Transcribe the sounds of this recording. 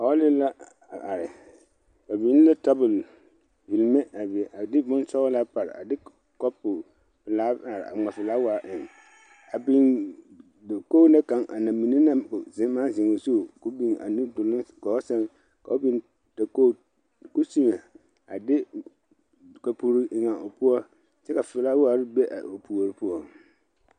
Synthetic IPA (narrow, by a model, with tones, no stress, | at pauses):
a˨wɔ˦lɪ˦la˦ | a˨ʔa˨ɾɪ˨ | ka˨bi˨˦n˦la˦ta˦bʊ˨l | vi˨lme˦a˨bʔa˨dɪ˦bʊ˦n˦sɔ˦ɣɔ˦laː˦pa˨ɾɪ̰˨a̰˨dɪ˦ | kɔ˦pʊ˨ | plaː˦a˨ɾɪ˨a̰˨ŋ͡ma˨fɪ˨laː˦wa˨˦ʔɪ˨ŋ | a˨bɪ˨n | dkoː˦na˦ka˨˦ŋʔa̰˨na˨mi˨ni˦na˦bʊ˨zɪ˦ma˦zɪ˨ŋo˨zo˦˨kʊ˦bi˨ŋa̰˨ni˦dʊ˨lʊ˦ɡɔ˨˦sɛ˦ŋ | ka˨o˦bi˦n | ta˨ko˦ | kʊ˦si˦me˨ | a˨dɪ˦ | ka˨pu˨ɾi˦ɪ˨ŋa˨ʔo˨pʊ˦ɔ˦ | t͡ʃɛ˦ka˨fɪ˨laː˦wa˨ɾɪ˦be˦ʔa̰˨o˨pu˨o˨ɾi˦pʊ˦ɔ˨